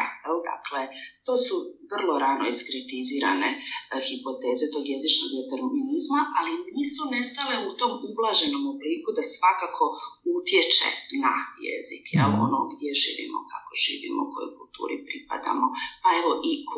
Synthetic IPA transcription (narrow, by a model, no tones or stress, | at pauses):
ajɛld̪a̰klet̪o̞ːsuʋr̩lˠo̞ɾaːnoiskɾit̪iziːɾa̰nexipo̞t̪e̞ːzet̪o̞ɡje̞zit͡ʃnoɡd̪et̪eɾminizmaʔaliniːsmone̞st̪ale̞ut̪o̞mublˠaːʒe̞no̞mobliːkud̪asʋakaːkʰo̞ut̪je̞t͡ʃḛnajḛzḭkjḛlo̰noɡd̪jeʒḭːʋḭmo̰ka̰ko̞ʒ̥ḭːʋḭmo̰uko̞̰jo̰jkulˠt̪ṵːɾipɾipa̰d̪a̰mo̞pae̞ʋo̞ʔik